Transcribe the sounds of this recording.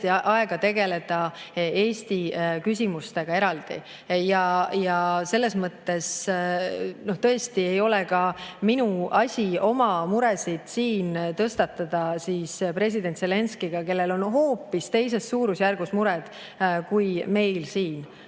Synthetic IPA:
t̪iʔɑe̞ɡ̥ɑt̪e̞ɡe̞le̞d̪̥ɑe̞ːst̪ikysʲimust̪e̞ɡ̥ɑe̞ɾɑld̪̥ḭ | jɑjɑse̞lːe̞smɤt̪ːe̞s | no̞ht̪ɤ̞e̞st̪ie̞jo̞lekɑminuɑsʲio̞mɑmuɾe̞sid̪̥siːnt̪ɤst̪ɑt̪ːˑɑd̪̥ɑsiːspre̞s̬ʲid̪̥e̞nt̪se̞le̞nskiɡ̥ɑke̞lːe̞lo̞nɦo̞ːpːist̪e̞jse̞sːuːɾusjærɡ̥usmuɾɛd̪̥ | kujme̞jlsiːn

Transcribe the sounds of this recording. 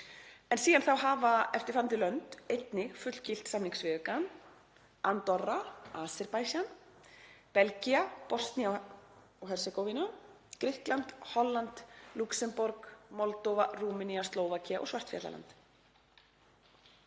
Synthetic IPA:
ɛnsiːðanθawɦaːvaɛft̪ɪɾ̥fant̪ɪlœnt̪ejt̪nɪɣfʏt̪l̥cɪl̥t̪samniŋksvɪðʏkan | ant̪ɔraaːsɪɾpajsan | pɛlciapɔst̪nia | ɔɦɛɾ̥sɪkɔwvina | kɾɪht̪lant̪hɔlːant̪luksɛmpɔɾkmɔlt̪ɔvaruːmɪniast̪loːwvacʰiaʔɔ̰svar̥t̪fjɛ̰t̪la̰la̰nt̪

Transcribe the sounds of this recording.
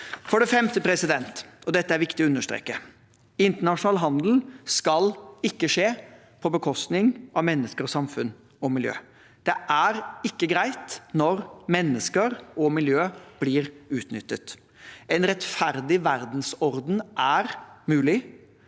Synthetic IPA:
fɔɖɛfɛmt̪əpʰɾɛsɪd̪ɛnt̪ɔd̪ɛt̪ːəæɾʋɪkt̪ɪɔʉnːəʂt̪ɾḛːkːə | ɪnt̪əɳɑʂʊnɑːlɦɑnd̪l̩skɑlɪkːəʂeː | pʰɔbəkʰɔst̪nɪŋʔɑʋmɛnːəskəɾɔsɑmfʉn | ɔmɪljø̰ː | d̪̥ɛʔæɾɪkːəɡɾæɪt̪nɔɾmɛnːəskəɾɔmɪljøːb̥lɪːɾʉːt̪nʏt̪ːət̪ | ɛnɾɛt̪fæɾd̪ɪʋæɾd̪n̩sɔɾd̪n̩ʔæɾmʉːlɪ

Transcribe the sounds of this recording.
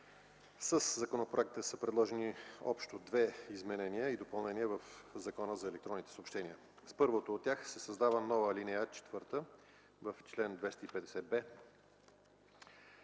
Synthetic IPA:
səszɐkonopɾoɛk̚t̪əsəpɾɛd̪lˠɔʒɛniɔ̰pʃt̪od̪vɛizmɛnɛniəid̪opəlˠnɛnʲiəvəfzɐkɔnəzɐɛlɛk̚t̪ɾɔnːit̪ɛ̥sopʃt̪ɛniə | spɤɾvot̪oːt̪̚ːʲjaxsɛsɐzd̪avənɔvəlinijət͡ʃɛ̥t̪vɤɾt̪ə | vəft͡ʃlɛnd̪vɛst̪əipɛd̪ɛsɛbɛ

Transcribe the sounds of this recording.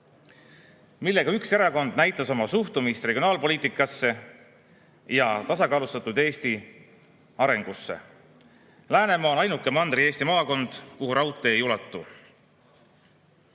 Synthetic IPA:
milːe̞ɡ̥ɑykse̞ɾɑko̞nd̪̥næjt̪ːˑɑso̞mɑsuht̪umist̪re̞ɡʲio̞nɑːlpo̞liːt̪ːˑikːˑɑsːe̞ | jɑt̪ɑsɑkɑːlust̪ɑt̪ːˑud̪̥eːst̪i | ɑɾe̞ŋɡ̥usːḛ | læːne̞mɑːonɑjnukːˑe̞mɑnd̪̥ɾieːst̪imɑːko̞nd̪̥kuɦuɾɑwt̪ːˑeːjulɑt̪ˑːu

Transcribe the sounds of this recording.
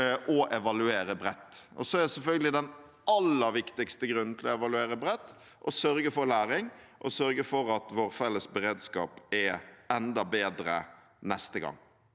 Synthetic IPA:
ʔɔʔɛʋɑlʉeːɾəbɾɛt̪ːɔ̰sɔɛɾd̪ɛsɛlfœlɡəlɪd̪ɛn | ʔɑlːəɾʋɪkt̪ɪkst̪əɡɾʉn̩ːt̪ʰɪlɔɛʋɑlʉeːɾəbɾɛt̪ː | ʔɔsœɾɡəfɔɾlæːɾɪŋʔɔsœɾɡəfɔɾɑt̪ʋoːɾfɛlːəsbɛɾeːd̪skɑ̰ːpɛɛnd̪ɑbeːd̪ɾə̰ | nɛst̪əɡɑ̰ŋː

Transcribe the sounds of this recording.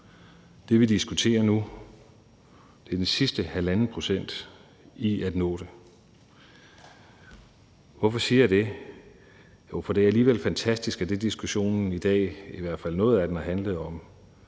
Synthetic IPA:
d̥e̝ʋid̥isɡ̥ut͡sʰe̝̰ːɐnu | d̥e̝ɐd̥ensisd̥əhælænn̩pʰʁo̝sen̰d̥ | iæd̥nɔ̰̽ːɾ̥e | ʋɒfɒ̽siːɐjad̥e̝ | jofɒ̽d̥e̝æɐæliːʋelfænt͡sʰæsd̥isɡ̥æd̥e̝d̥isɡ̥uɕo̝̰ːn̩id̥ɛ̰ːiʋæɐ̰d̥fæl̰nɔ̽ːð̩ˠæd̥enɑ̈ɦænləð̞̩ˠɒ̽m

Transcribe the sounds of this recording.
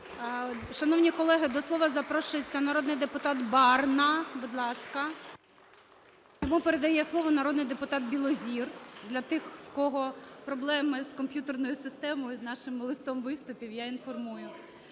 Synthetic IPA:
ʃɐnɔwnʲikɔlˠɛɦɪd̪ɔslˠɔʋɐzɐpɾɔʃʊjet͡sʲːɐnɐɾɔd̪nɪjd̪epʊt̪ɑt̪bɑrnɐbud̪lˠɑskɐ | jɔmupeɾed̪ɐjɛslˠɔʋɔnɐɾɔd̪nɪjd̪epʊt̪ɑt̪̚bʲilˠɔzʲird̪lʲɐt̪ɪxwkɔɦɔpɾɔblˠɛmɪskɔmpʲjut̪ernɔjʊsɪst̪ɛmɔjʊznɑʃɪmlˠɪst̪ɔmʋɪst̪ʊpʲiwjainfɔrmujʊ

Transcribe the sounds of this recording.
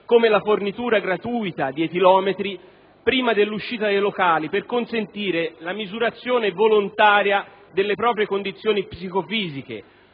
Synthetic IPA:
komelafornit̪uːɾaɡɾat̪uːjt̪ad̪iet̪ilɔːmet̪ɾi | pɾiːmad̪elːuʃːiːt̪ad̪ejlokaːliperkonsent̪iːɾelamizuɾat̪sːjoːnevolont̪aːɾja | d̪elːepɾɔːpɾjekond̪it̪sːjoːnipsikofiːzikḛ

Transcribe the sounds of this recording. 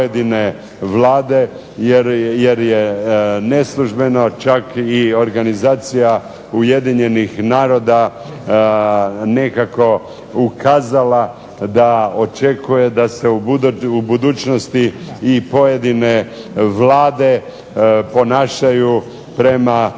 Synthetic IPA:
jed̪ine̞ | ʋlaːd̪e̞ | jeɾje̞ɾjene̞slˠuʒbe̞no̞t͡ʃakio̞ɾɡanizaːt̪sija | uje̞d̪iɲe̞nixnaːɾo̞d̪a | ne̞kako̞ | ukʰaːzala | d̪ao̞t͡ʃekuje̞d̪aseuuubud̪uːt͡ʃnost̪iːpo̞je̞d̪ineʋlaːd̪e̞ | po̞naːʃaju | pɾe̞ma

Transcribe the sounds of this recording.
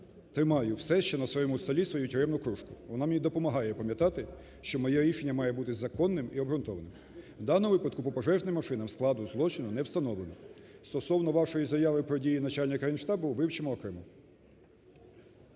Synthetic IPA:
t̪ɾɪmɑjʊwsɛʃt͡ʃɛnɐsʋɔjɔmust̪ɔlʲisʋɔjutʲʊɾɛmnʊkɾuʃkʊʋɔnɑmenʲid̪ɔpɔmɐɦɑjɛpɐmʲjɐt̪ɑt̪ɪ | ʃt͡ʃɔmɔjɛɾʲiʃenʲːɐmɑjɛbut̪ɪzɐkɔnːɪmiɔbɾʊnt̪ɔʋɐnɪm | wd̪ɑnɔʋɪpɐd̪̚kʊpɔpɔʒɛʒnɪmːɐʃɪnɐmsklˠɑd̪ʊzlˠɔt͡ʃɪnʊnɛwst̪ɐnɔʋlˠenɔst̪ɔsɔwnɔʋɑʃɔjizɐjɑʋɪpɾɔdʲijinɐt͡ʃɑlʲnʲɐkɐjnʃt̪ɑbʊʋɪwt͡ʃemɔɔkɾɪmu

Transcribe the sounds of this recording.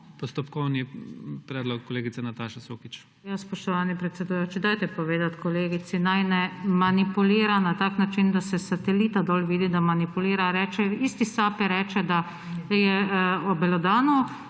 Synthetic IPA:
pɔst̪ɔpkɔwnipɾɛːd̪lɔkːɔleːɡit̪sɛnat̪aʃasokit͡ʃ | jaspɔʃt̪ɔʋaːnipɾɛt̪sɛd̪ujoːt͡ʃid̪ajt̪ɛpɔʋeːd̪at̪kɔleːɡit̪sinajnɛmanipuliːɾanat̪aːknat͡ʃind̪asɛsat̪ɛliːt̪ad̪ɔːlʋiːd̪id̪amanipuliːɾaɾɛːt͡ʃɛiːst̪isaːpiɾɛːt͡ʃɛd̪a | jɛɔbɛlɔd̪aːnɔ

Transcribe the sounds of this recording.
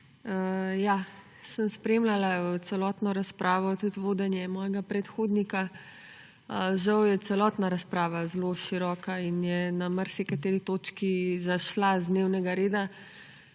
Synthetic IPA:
jaː | sənspɾeːmlalat̪sɛlɔːt̪nɔɾaspɾʔaːʋɔt̪ut̪ʋoːd̪ɛnjɛmɔːjɛɡapɾɛt̪xoːd̪nika | ʒɐwjɛt̪sɛlɔːt̪naɾaspɾaːʋazloʃiɾɔːkainjɛnaməɾsikat̪eːɾit̪oːt͡ʃkizaʃlazd̪neːwnɛɡaɾeːd̪a

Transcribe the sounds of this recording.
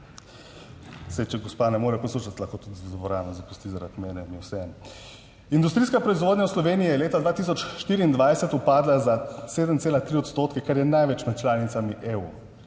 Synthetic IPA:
sɛjt͡ʃɛɡɔspanɛmoːɾɛpɔsluːʃat̪laxkot̪ud̪zzbɔɾannɔzapu̥st̪izaɾad̪mɛːnɛniwsɛɛn | ind̪ust̪ɾiːskapɾɔizʋoːd̪ɲʲawslɔʋeːniijɛleːt̪ad̪ʋaːt̪iːs̬ɔt͡ʃʃt̪iːɾiːnd̪ʋajsɛt̪upaːd̪lazaseːd̪əmseːlat̪ɾiɔt̪st̪ot̪kɛkaɾjɛnajʋɛt͡ʃnat̪̚t͡ʃlaːnit̪samiʔeu

